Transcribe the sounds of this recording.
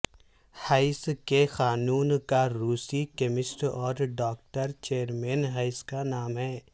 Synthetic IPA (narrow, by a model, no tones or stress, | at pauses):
haːɪskexaːnuːnkaɾuːsikemɪsʈɔːɾɖɔːk̚ʈəɾt͡ʃeːɾmẽːnɦaːɪskanaːmɦɛː